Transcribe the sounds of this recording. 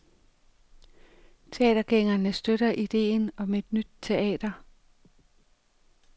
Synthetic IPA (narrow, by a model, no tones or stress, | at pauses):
t͡sʰe̝ɛ̰ːd̥ɐɡ̥eŋɐnəsd̥øɾ̥ɐʔid̥e̝̰ːnɒ̽me̝d̥nyd̥̚t͡sʰe̝ɛ̰ːd̥ɐ